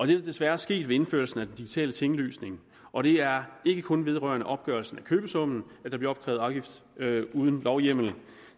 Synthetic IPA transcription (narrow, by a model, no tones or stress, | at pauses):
ɒ̽d̥e̝d̥ɑ̈d̥e̝sʋæɐsɡ̥e̝̰ːd̥ʋe̝e̝nfø̰ɐl̩sn̩æd̥end̥iɡ̥i̥t͡sʰɛ̰ːlət͡sʰe̝ŋlø̰ːsne̝ŋ | ʔɒ̽ɾ̥e̝æɐe̝ɡ̥əkʰɔ̽nʋe̝ð̞ˠʁɶ̰ɐnəʔɒ̽b̥̚ɡ̥ɶɐlsn̩ækʰøːb̥əsɔ̽m̰n̩æd̥ɑb̥liɐɒ̽b̥̚kʰʁɛ̰ʊɑ̈ʊɡifd̥uːð̞ˠən̩lɒʊjem̰l̩n̩